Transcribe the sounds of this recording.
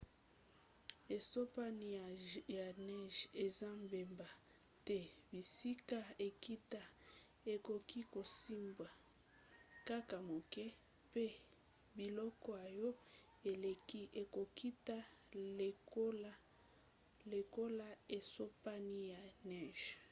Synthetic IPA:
e˨so˦pa˦ni˦˨ja˨nɛ˦ʒe˨za˦mbe˨mba˨ | tɛ˦bi˨si˦ka˨e˨ki˦ta˨ | e˨ko˨ki˦ko˨si˦mbwa˨ | ka˦ka˨mo˨kɛ˦ | pe˦ | bi˨lɔ˦kɔ˦a˨jɔ˦ | e˨le˨ki˦ʔe˨ko˨ki˦ta˦˨ | o˦la˦ | le˨ko˦la˦e˨so˦pa˦ni˦ja˨nɛ˦˨ʒ̥

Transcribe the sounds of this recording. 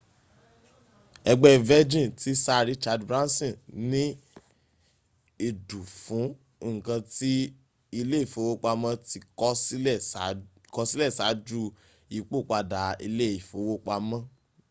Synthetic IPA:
ɛ˧ɡ͡bɛ˦vɛ˦d͡ʒĩ˦˨ti˦sa˦˧ɾi˨˦t͡ʃa˧dbɾã˦nsɔ̃˦˨nĩ˦ | e˦˨du˨fũ˨˦ | ŋ̩˨kã˧ti˦ | i˧le˦˨fo˨˦wo˦k͡pa˧mã˦ti˧kɔ˦si˦˨ | kɔ˧˦si˦lɛ˦˨sa˨˦d͡ʒu˦ | i˨˦k͡po˦˨k͡pa˧da˨ḭ˧le˦˨i˨fo˨˦wo˦k͡pa˧mã˦

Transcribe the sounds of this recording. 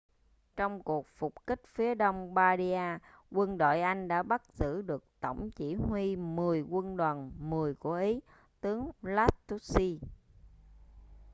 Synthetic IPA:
t͡ɕɔ˧wŋ͡mku˨˩ək̚fu˨˩k͡p̚kï˦˥k̟̚fi˨˦əɗə˧wŋ͡mɓaː˧ɗi˧aː˧ | kwə˧nɗo̰˧˨jʔa˧jŋ̟ɗa̰ː˧˥ɓa˦˥t̚z̥ɨ̰˧˨ɗɨ˨˩ək̚t̪ə̰˧˩wŋ͡mt͡ɕḭ˧˩ɦwi˧mɨ˨˩əjkwə˧nɗa˨˩nmɨ˨˩əjku˧˩əʔi˨˦ | t̪ɨ˨˦əŋlaː˦˥t̪ːu˦˥si˧

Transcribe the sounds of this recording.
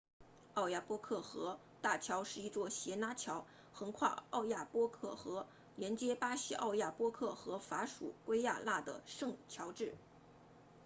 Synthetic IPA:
ɑ˥˧ʊja˥˩pwɔ˥kʰɤ˥˩xɤ˧˥ | t̪a˥˩t͡ɕʰjɑ˧˥ʊʂɻ̩˥˧i˥˩t͡swɔ˥˩ɕjɛ˧˥na˧˥t͡ɕʰjɑ˧˥ʊ | xɤ˧˥ŋkʰwa̰˥˧ɑ˥˧ʊja˥˩pwɔ˥kʰɤ˥˩xɤ˧˥ | ljɛ˧˥nt͡ɕjɛ˥pa˥ɕi˥ʔɑ̰˥˧ʊja˥˩pwɔ˥kʰɤ˥˩xɤ˧˥fa˧˥ʂṵ˨˩kwe˥ɪja˥˧la˥˩d̪ə̰˩ʂɤ˥˩ŋt͡ɕʰjɑ˧˥ʊʈ͡ʂɻ̩˥˩

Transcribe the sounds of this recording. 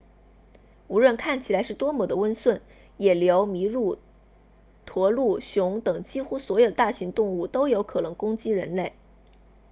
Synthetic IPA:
u˧˥ɻwə˥˧nkʰa˥˩nt͡ɕʰi˨˩la˧˥ɪʂɻ̩˥˩t̪wɔ˥mɔ˨˥˩d̪ə˦wə˥nswə˥˩n | jɛ˨˩ljo˧˥ʊmi˧˥ɻu˥˩ | t̪ʰwɔ˧˥lu˥˩ɕjʊ˧˥ŋt̪ɤ˨˩ŋt͡ɕi˥xu˥swɔ˧˥jo˨˩ʊt̪a˥˩ɕi˧˥ŋt̪ʊ˥˧ŋu˥˩t̪o˥ʊjo˧˥ʊkʰɤ˨˩nɤ˧˥ŋkʊ˥ŋt͡ɕi˥ɻə̰˧˥nle˥˩ɪ

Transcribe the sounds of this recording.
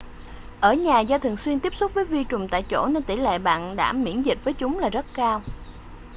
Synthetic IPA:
ʔəː˧˩ɲaː˨˩zɔː˧t̪ʰɨ˨˩əŋswi˧ənt̪i˦˥əp̚sʊ˦˥k͡p̚vəː˨˦jvi˧t͡ɕʊ˨˩ŋ͡mt̪a̰ː˧˨jt͡ɕo̰˧˩ne˧nt̪i˧˩lḛ˧˨ɓa̰ː˧˨nɗa̰ː˧˥˩mḭ˧˩ənzi˨˩t̚vəː˨˦jt͡ɕʊ˨˦ŋ͡mlaː˨˩zə˦˥t̚kaː˧w

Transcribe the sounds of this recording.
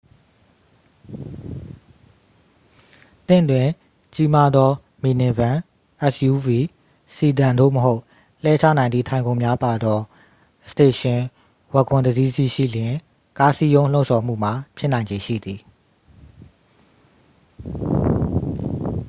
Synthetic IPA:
t̪ɪ̰̃˦˨twɪ̃˨ | t͡ɕi˦ma˦d̪ɔ˦ | mi˨nɛ̃˨bã˨ | ʔɛ˦sju˦vi˨ | si˨dã˨ndo̰˦˨məɦo˦ʊʔ | l̥ɛ˦t͡ɕʰä̰˦˨nã˨nd̪i˦˨tʰã˨ɪ̃ŋɡõ˨ʊ̃mja˦pa˨d̪ɔ˦ | sə̥te˨ʃɪ̃˨ | wɛ˦˨kʰʊ̃˨nd̪əzi˦zi˦˨ʃḭ˦˨ljɪ̃˨ | ka˦si˦jõ˦ʊ̃l̥õ˦ʊ̃˨sʰɔ˨m̥ṵ˦˨m̥a˨pʰjɪ˦nã˨ɪ̃ɲd͡ʑe˨ʃḭ˦˨d̪i˨

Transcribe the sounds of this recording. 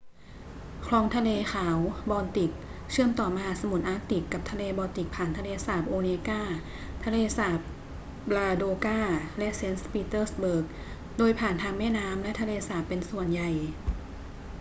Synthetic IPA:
kʰlɔː˧˥ŋt̪ʰa˧leː˧xʰaː˩˦wbɔː˧nt̪i˨˩k̚t͡ɕʰɯ˥˩əmt̪ɔː˨˩ma˧ɦaː˨˩˥sa˧mu˨˦t̪̚ʔaː˦˥k̚t̪i˨˩kːa˨˩p̚t̪ʰa˧leː˧bɔː˧t̪i˨˩k̚pʰːaː˨˩nt̪ʰa˧leː˧saː˨˩p̚ʔoː˧neː˧kaː˥˩ | t̪ʰa˧leː˧saː˨˩˦p̚ | laː˧doː˧kaː˥˩lɛ˦˥ʔse˦˥nspiː˧˥t̪ɤː˥˩sbɤː˨˩k̚ | doː˧jpʰaː˨˩nt̪ʰaː˧ŋmɛː˥˩naː˦˥mlɛ˦˥ʔt̪ʰa˧leː˧saː˨˩˦pːe˧nsu˨˩ənja˨˩j

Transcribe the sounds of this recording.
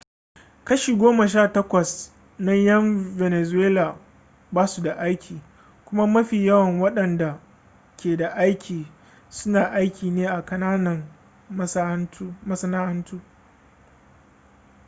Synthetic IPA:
kɐ˦ʃiː˨ɡʷoː˦ma˨ʃ̬aː˦˨tɐ˦kʷɐ˨s | nɐ˦jɐ˦mve˨ne˨zʊ˨weː˦laː˨ | baː˦su˨da˨ʔa˦jkʲʰiː˨ | kʷʊ˦ma˦mɐ˦ɸiː˨jɐ˦wɐ˨ŋwɐ˦ɗɐ˨nda˨ | kʲeː˨da˨ʔa˦jkʲʰiː˨ | sʊ˦naː˨ʔa˦jkʲiː˨neː˦ʔa˨kɐ˦naː˦nɐ˨m˦ | mɐ˦sɐ˦naː˦ʔɐ˦ntuː˦

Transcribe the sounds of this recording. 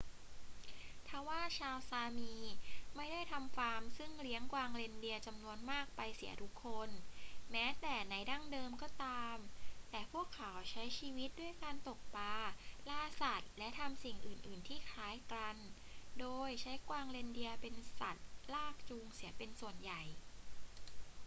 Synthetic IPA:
t̪ʰa˧˩waː˥˩t͡ɕʰaː˧wsaː˧miː˧ma˥˩jda˥˩jt̪ʰa˧mfaː˧˥msɯ˥˩ŋli˦˥əŋkwaː˧ŋle˧ndi˧ɐt͡ɕa˧mnu˧ənmaː˥˩k̚pa˧jsi˩˦ɐt̪ʰu˦˥kʰːo˧nmɛː˦˥t̪ɛː˨˩na˧jda˥˩ŋdɤː˧mkɔː˥˩t̪aː˧mt̪ɛː˨˩pʰu˥˩əkʰːa˩˦wt͡ɕʰa˦˥jt͡ɕʰiː˧wi˦˥t̪̚du˥˩əjkaː˧nt̪o˨˩k̚paː˧laː˧sa˨˩t̪̚lɛ˦˥ʔt̪ʰa˧msi˨˩ŋʔɯː˨˩nʔɯː˨˩nt̪ʰiː˥˩kʰaː˨˦˥jkɾa˧n | doː˧jt͡ɕʰa˦˥jkwaː˧ŋle˧ndi˧ɐpe˧nsa˨˩t̪̚laː˥˩k̚t͡ɕu˧ŋsi˩˦ɐpe˧nsu˨˩ənja˨˩j

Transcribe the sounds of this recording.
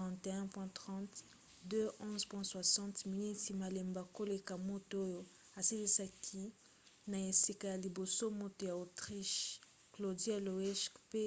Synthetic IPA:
ɑ̃˨te˨ɛ̃˦pwɛ̃˦tχɑ̃˦t | dø˦ʔɔ̃˦zpwɛ̃˦swa˨sɑ̃˦tmi˨ni˦ti˨ma˨le˨mba˨ko˦le˨ka˨mo˦to˦jo˨ | a˨si˦li˦sa˦kʰi˦ | na˨e˨si˦ka˨ja˨li˨bo˨so˦mo˦to˨ja˨o˨tʁi˦ʃ | klo˨dja˦lo˨ɛ˦ʃkpe˦

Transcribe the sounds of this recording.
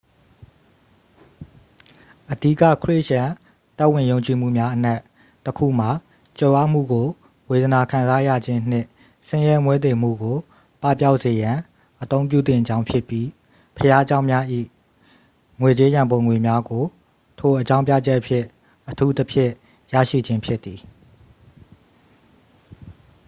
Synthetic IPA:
ʔədi˦kä̰˦˨kʰɹe˦˨ʔʃã˨ | t̪ɛ˦ʔwɪ̃˨jõ˨ʊ̃ɲt͡ɕi˨m̥ṵ˦˨mja˦ʔən̥a˦ʔ | təkʰṵ˦˨m̥a˨ | t͡ɕo˨ʔa˦˨m̥ṵ˦˨ɡo˨ | we˨d̪əna˨kʰã˨nza˦ja̰˦˨d͡ʑɪ̃˦n̥ɪ̰̃˦˨ | sɪ̃˦jɛ˦mwɛ˦d̪e˨m̥ṵ˦˨ɡo˨ | pa˦˨pja˦ʊʔse˨jã˨ | ʔət̪õ˦ʊ̃mp̬ju˦˨t̪ɪ̰̃˦˨d͡ʑã˦ʊ̃pʰjɪ˦pːji˦ | pʰəja˦d͡ʑã˦ʊ̃mja˦ʔḭ˦˨ | ŋwe˨t͡ɕe˦jã˨mbõ˨ŋwe˨mja˦ɡo˨ | tʰo˨ʔət͡ɕã˦ʊ̃mpja̰˦˨d͡ʑɛ˦ʔəpʰjɪ̃˦˨ | ʔətʰu˦t̪ə˦pʰjɪ̃˦˨ | jä̰˦˨ʃḭ˦˨d͡ʑɪ̃˦mpʰjɪ˦t̪ːi˨

